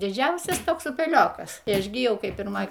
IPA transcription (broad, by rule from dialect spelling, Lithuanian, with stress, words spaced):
dʲɪˈd͡ʒʲɛʊsʲɛs ˈtoːks ʊpʲɛˈlʲoːkɐs ɪ ˈɐʃ ɡʲɪ ˈjɛʊ kɐɪ pʲɪrˈmoːj